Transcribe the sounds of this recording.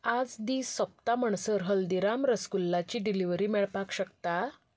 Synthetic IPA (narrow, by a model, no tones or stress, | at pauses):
ad͡zd̪iːsəp̚t̪aməɳsəɾɦəld̪iɾamɾəskulːat͡ɕiːɖiliʋɾiːmɛɭpakɕəkt̪a